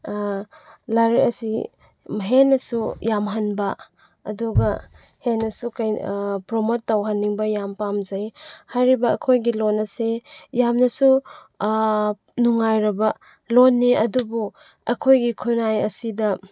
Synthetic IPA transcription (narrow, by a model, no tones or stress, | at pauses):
laɾiɐsi | mɦenːɐsujamɦanbɐ | ɐduɡɐ | henːɐsukajpɾomotːawɦanːiŋbɐjampamzajhajɾibɐːkʰojɡilonɐsejamnɐsu | nuŋajɾɐbɐ | lonːiʔɐdubu | ɐkʰojɡikʰunajɐsidɐ